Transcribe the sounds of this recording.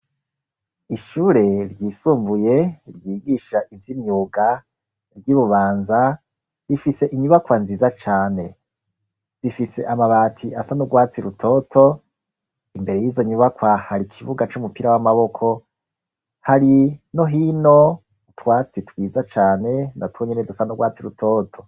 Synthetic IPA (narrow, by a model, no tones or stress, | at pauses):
iʃuːɾe̞ɾjiːsuːmbuje̞ɾjiːɡiʃaʔivjimɲuːɡa | ɾjuβuβaːnza | ɾifise̞ʔiɲuβakwanziːzat͡ʃaːne̞ | z̥ifise̞̰ʔamaβaːtʰiʔasanuɡwaːt͡siɾutʰo̞tʰo̞ | imbe̞ɾe̞jiːzo̞ɲuβakwahaɾikʰiβuɡat͡ʃumupiɾawamaβo̞kʰo̞ | haɾino̞ɦino̞ | twaːt͡sitwiːzat͡ʃaːne̞natwoɲenedusanuɡwaːt͡siɾutʰo̞ːtʰo̞